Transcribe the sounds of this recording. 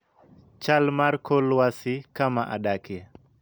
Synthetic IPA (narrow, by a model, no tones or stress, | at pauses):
t͡ʃalmarkʰolwasikamaʔa̰dakjɛ